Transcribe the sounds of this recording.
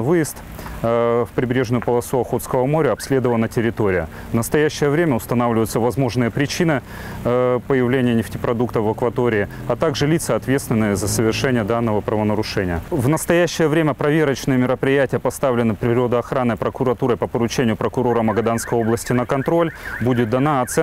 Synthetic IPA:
vɨjɪst̪ | fpɾʲɪbɾʲe̞ʐnʊjʊpəlˠɐsuɐxo̞t̪skəvəmo̞ɾʲəɐpsʲlʲe̞d̪əvəlnətʲɪɾʲɪt̪o̞ɾʲɪjə | vnəst̪ɐjæɕːɪjəvɾʲemʲəʊst̪ɐnavlʲɪvəjʊt̪səvɐzmo̞ʐnɨjəpɾʲɪt͡ɕinɨ | pəjɪvlʲenʲɪjənʲɪftʲɪpɾɐd̪uk̚t̪əfəkvɐt̪o̞ɾʲɪː | ɐt̪aɡʐɨlʲit̪səɐt̪vʲet̪st̪vʲɪnːɨjəzəsəvʲɪrʂɛnʲɪjəd̪anːəvəpɾəvənəɾʊʂɛnʲɪjəvnəst̪ɐjæɕːɪjəvɾʲemʲəpɾɐvʲeɾət͡ɕnɨjəmʲɪɾəpɾʲɪjætʲɪjəpɐst̪avlʲɪnɨpɾʲɪɾo̞d̪əɐxɾanːɨpɾəkʊɾɐt̪uɾəpəpəɾʊt͡ɕenʲɪjʊpɾəkʊɾo̞ɾəmɐɡɐd̪anskəjo̞blˠəsʲtʲɪnəkɐnt̪ɾo̞lʲbudʲɪt̪̚d̪ɐnaɐt̪sɛ

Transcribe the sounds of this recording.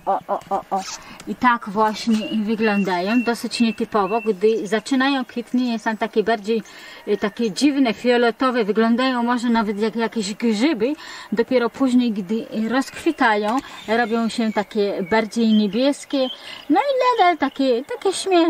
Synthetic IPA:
ɔʔɔʔɔʔɔit̪akvwaɕɲɛvɘɡlɔnd̪ajɔ̃w̃d̪ɔsɘt͡ɕɲɛt̪ɘpɔvɔɡd̪ɘzat͡ʂɘnajɔ̃w̃kfʲit̪ɲɛjɛst̪amt̪akʲɛbaɾd͡ʑejt̪akʲɛd͡ʑivnɛfʲiɔlɛt̪ɔvɛvɘɡlɔ̃nd̪ajɔ̃w̃mɔʐɛnavɛt̪jakjakʲɛʑɡʐɪbɘd̪ɔpʲjɛɾɔpʰuʑɲejɡd̪ɘɾɔskfʲit̪ajɔ̃w̃ɾɔbʲjɔ̃w̃ɕɛt̪akʲɛbaɾd͡ʑejɲɛbʲjɛskʲɛnɔilɛd̪alt̪akʲɛt̪akʲɛɕmʲjɛ

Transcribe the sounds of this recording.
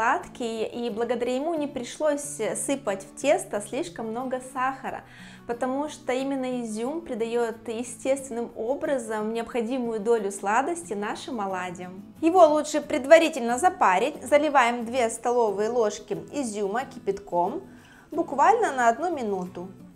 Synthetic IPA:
at̪kʲɪjʔiblˠəɡəd̪ɐɾʲajɪmunʲɪpɾʲɪʂlˠo̞sʲsɨpətʲftʲe̞st̪əsʲlʲiʂkəmːno̞ɡəsaxəɾə̰ | pət̪ɐmuʂt̪oimʲɪnːəɪzʲːumpɾʲɪd̪ɐjot̪jɪsʲtʲest̪vʲɪnːɨmo̞bɾəzəmnʲɪɐpxɐdʲimʊjʊd̪olʲʊslˠad̪əsʲtʲɪnaʂɨmɐlˠadʲɪjəm | jɪvo̞lˠutʂɨpɾʲɪd̪vɐɾʲitʲɪlʲnəzɐpaɾʲɪtʲzəlʲɪvajɪmd̪vʲe̞st̪ɐlˠo̞vɨjəlˠo̞ʂkʲɪɪzʲːuməkʲɪpʲɪt̪kom | bʊkvalʲnənɐɐd̪numʲɪnut̪ʊ

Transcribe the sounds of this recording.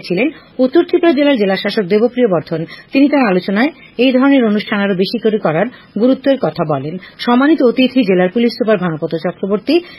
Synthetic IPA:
t͡ɕʰilen | ut̪ːoɾt̪ʰipɾad͡ʑelaɾd͡ʑelaʃaʃok̚d̪ebopɾiobɔɾd̪ʱont̪init̪aɾalot͡ɕonae | ejd̪ʱɔɾoneɾonuʃʈʰanaɾobeʃit̪oɾikɔɾaɾ | ɡuɾut̪ːoeɾkɔt̪ʰabɔlenʃɔmanit̪oot̪it̪ʰid͡ʑelaɾpulissupaɾbʱanopot̪ot͡ɕɔkɾoboɾt̪i

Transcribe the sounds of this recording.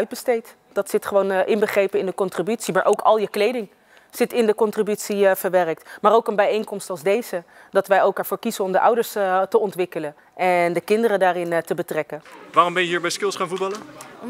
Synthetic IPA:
ɥd̚bəstejt | d̥ɑtsɪtχəʋownʔɪnbəχrejpənɪndəkɔntribytsimaːɹʔowkɑ̰lˠjəklejdɪŋ | z̥ɪtɪndəkɔntribytsivəɹʋɛrək̚tmaːɾowkənbɛjejŋkɔmstɑlˠzdejzə | dɑtʋɛjowkɛːɹvoːɹkizənɔmdəʔʌ̰wdəɹstəɔntʋɪkələn | ʔɛndəkɪndəɾədaːrɪntəbətrɛkənʋaːrɔmbɛnjəɦiːɹbɛjskɪlˠsχaːnvut̚bɑlə

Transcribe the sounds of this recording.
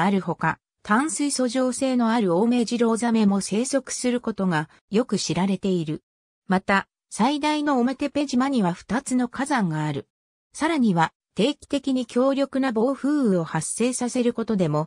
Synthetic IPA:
aɾɯ̟ho̞ka | t̪ãɰ̃sɨiso̞ʑo̞ːse̞ːno̞aɾɯ̟o̞ːme̞ʑiɾo̞ːzame̞mo̞se̞ːso̞kɯ̥sɨɾɯ̟ko̞t̪o̞ŋa | jo̞kɯ̟ɕiɾaɾe̞t̪e̞iɾɯ̟ | mat̪a | said̪aino̞ːme̞t̪e̞pe̞ʑimaɲ̟iβaɸɯ̟̥t̪at͡sɨno̞kazãŋɡaːɾɯ̟ | saɾaɲ̟iβa | t̪e̞ːkʲi̥t̪e̞kʲiɲ̟ikʲo̞ːɾʲjo̞kɯ̟nabo̞ːɸɯ̟ːɯ̟o̞hasːe̞ːsase̞ɾɯ̟ko̞t̪o̞d̪e̞mo̞

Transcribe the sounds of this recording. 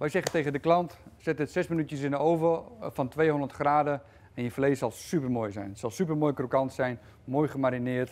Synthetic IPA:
ʋɛjsɛχəntejɣəndəklɑntsɪtətsɛsminytjəsɪnəowvəfɑntʋejɦɔndərtχraːdə | ɛnjəflejsɑlˠsypərmoːjzɛ̰jnsɑlˠsyp̬ərmoːjkrokɑntsɛjn | moːjχəmaɾinɪːɹt

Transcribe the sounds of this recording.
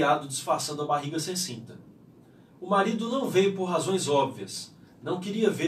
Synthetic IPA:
ad̪ʊd͡ʒisfaɾsɐ̃nd̪ɐbaɦiɡɐsẽj̃sĩnt̪ɐ | ʊmaɾid̪ʊnɐ̃w̃vejʊpoɾɦazõj̃zɔbviɐs | nɐ̃w̃keɾiɐve

